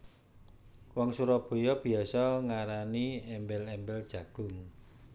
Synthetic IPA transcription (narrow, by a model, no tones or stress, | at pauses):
wɔŋsuɾɔb̥o̤jɔb̥i̤asɔŋaɾaniɛmbɛlɛmbɛld̥ʒ̥ä̤ɡ̥ʊ̤ŋ